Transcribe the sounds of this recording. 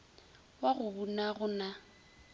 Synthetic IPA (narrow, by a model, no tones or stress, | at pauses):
waɣʊbunaɣʊna